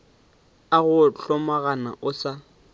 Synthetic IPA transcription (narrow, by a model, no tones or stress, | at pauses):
aɣʊɬɔmaɣana̰ʔʊsa